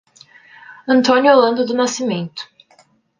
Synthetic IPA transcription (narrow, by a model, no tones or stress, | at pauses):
ɐ̃nt̪õnʲjʊolɐ̃nd̪ʊd̪ʊnasimẽnt̪ʊ̥